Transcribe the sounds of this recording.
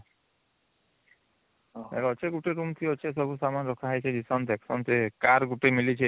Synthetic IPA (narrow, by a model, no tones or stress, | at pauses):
ḛkɔt͡ʃʰeɡuʈeɾumt̪ʰiɔt͡ʃʰesɔbʱusamanɾɔkʰaɦajt͡ʃʰed͡ʒisɔnt̪eksɔnt̪ekaɾɡuʈemilit͡ʃʰe